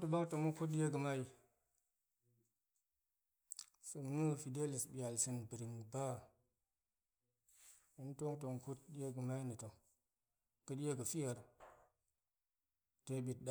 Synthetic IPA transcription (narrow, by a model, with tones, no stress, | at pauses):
tu˨ba˦kto˨mu˦ku˦t̬̚ɗe˦ɡə˨ma˦i˨ | sə˨m˨nu˦fi˨de˦li˨sbi˨ja˨lsi˨nbi˨ɾi˨ŋba˦ | i˦n˦to˦ŋto˨ŋku˦t̚dje˦ɡə˨ma˦i˦ni˨to˨ŋ | kə˦dje˦ɡə˨fi˦ja˨ɾ | te˦ɓi˨t̚ɗa˦